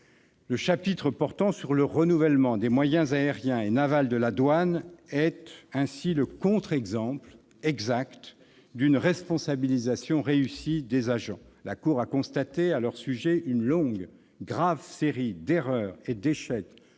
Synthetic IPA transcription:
ləʃapit̪χəpɔʁt̪ɑ̃syʁləʁənuvɛlmɑ̃d̪emwajɛ̃zaeʁjɛ̃enavald̪əlad̪wanɛt̪ɛ̃siləkɔ̃t̪χɛɡzɑ̃pl | ɛɡzakt̪ | d̪ynʁɛspɔ̃sabilizasjɔ̃ʁeysid̪ezaʒɑ̃lakuʁakɔ̃st̪at̪ealœʁsyʒɛʔynlɔ̃ɡ | ɡʁavseʁid̪eʁœʁed̪eʃɛk

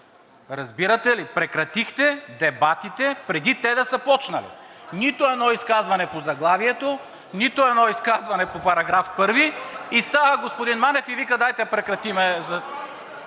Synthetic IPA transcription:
ɾɐzbiɾɐt̪ɛlipɾɛkɾɐt̪ixt̪ɛd̪ɛbat̪it̪ɛpɾɛd̪it̪ɛd̪ɐsɐpɔt͡ʃnɐlḭ | nit̪oɛd̪nɔiskazvɐnɛpozɐɡlˠaviɛt̪o | nit̪oɛd̪nɔiskazvɐnɛpopɐɾɐɡɾafpɤɾviist̪avɐɡospod̪inmanɛfivikɐd̪ajt̪ɛpɾɛkɾɐt̪imɛzɐ

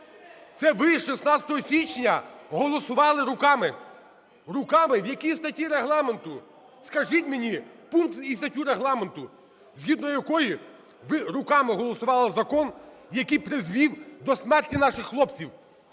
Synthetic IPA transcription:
t̪sɛʋɪʃesnɑt͡sʲsʲɐ̥t̪ɔɦɔsʲit͡ʃnʲɐɦɔlˠɔsʊʋɑlˠɪɾʊkɑmɪ | rʊkɑmɪwjɐkʲijst̪ɐtʲiɾeɦlˠɑment̪ʊ | skɐʒitʲmenʲipunkt̪ist̪ɐtʲuɾeɦlˠɑment̪ʊ | zʲɦʲid̪nɔjɐkɔji | ʋɪɾʊkɑmɪɦɔlˠɔsʊʋɑlˠɐzɐkɔnjɐkijpɾɪzʋʲiwd̪ɔsmɛrtʲinɑʃɪxːlˠɔpt͡sʲiw

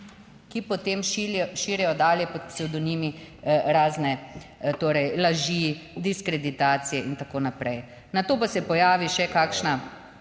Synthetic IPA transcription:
kipɔt̪emʃʃiːɾɛjɔd̪aːljɛpɔt̪sɛwd̪ɔnimiɾaːznɛt̪oːɾɛjlaʒid̪iskɾɛd̪it̪aːt̪sijɛʔint̪akoːnapɾɛj | nat̪oːpasɛpɔjaːʋiʃɛkaːkʃna

